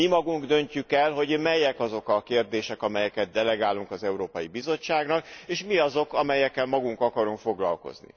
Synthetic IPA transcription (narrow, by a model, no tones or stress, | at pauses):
imɒɡuŋɡd̪ø̞ɲcykɛlɦo̞ɟmɛjɛkɒzo̞kɒkeːrd̪eːʃɛkɒmɛjɛkɛtd̪̚d̪ɛlɛɡaːluŋkɒzɛuɾoːpɒjibizo̞t͡ʃːaːɡnɒkeːʃmiɒzo̞kɒmɛjɛkːɛlmɒɡuŋkɒkɒɾuŋkfo̞ɡlɒ̰lko̞̰znḭ